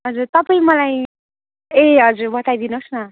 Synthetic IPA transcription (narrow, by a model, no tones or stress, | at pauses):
ɦʌd͡zurt̪ʌpaĩmʌlaj | eɦʌd͡zurbʌt̪ajd̪inosnʌ